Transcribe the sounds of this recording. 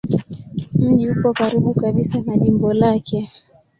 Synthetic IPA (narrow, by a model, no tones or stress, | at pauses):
m̩ʄiupɔkaɾiɓukaɓisanaʄimbɔlakʰɛ